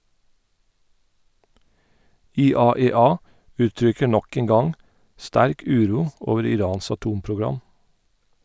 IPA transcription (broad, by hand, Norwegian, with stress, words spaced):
ɪˈɑːɛˌɑː ˈʔʉːˌtɹʏkə ˈɳɔk ˈeːŋ ˈɡɑŋ ˈstæɾk ˈʉːˌɾuː ˈʔoːʋəɾ ɪˈɾɑːns ɑˈtuːmpɹʊˌɡɹɑm